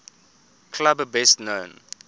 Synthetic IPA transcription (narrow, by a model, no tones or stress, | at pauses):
kʰlabəbɛstnõʊn